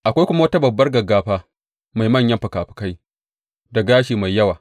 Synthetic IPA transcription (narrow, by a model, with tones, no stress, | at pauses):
ʔa˨kʷa˦jkʷʊ˦ma˦wɐ˦ta˦bɐ˨bːɐ˦rɡɐ˨ɡːaː˨ɸaː˦ | ma˨jmɐ˦˨ɲjɐ˦mɸɐ˨kaː˨ɸɪ̥˨ka˦j | da˨ɡaː˦ʃiː˨ma˨jːɐ˦waː˨